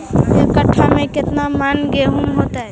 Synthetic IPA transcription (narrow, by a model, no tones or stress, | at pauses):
ekəʈʰːamẽket̪namanɡeɦumɦot̪a